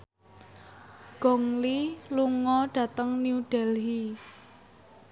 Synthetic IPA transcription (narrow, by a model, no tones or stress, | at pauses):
ɡ̥ɔŋliluŋɔɖ̥ä̤t̪əŋniuɖ̥ɛlɦi